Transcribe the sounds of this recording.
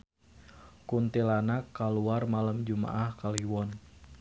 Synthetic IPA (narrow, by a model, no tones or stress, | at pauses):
kunt̪ilanakːaluarmalamd͡ʒuma̰ʔahkaliwɔn